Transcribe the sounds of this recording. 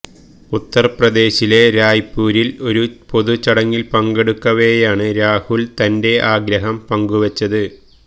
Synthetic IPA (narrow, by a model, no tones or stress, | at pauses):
ut̪ːɐrprɐd̪e̞ːɕile̞ɾaːjpːuːɾilo̞ɾupo̞ðut͡ɕɐɽɐŋːilpɐŋɡeɽukːɐʋejaːɳɨɾaːhuɭt̪ɐnde̞ʔaːɡɾɐɦɐmpɐŋɡuʋɐt͡ɕːɐðɨ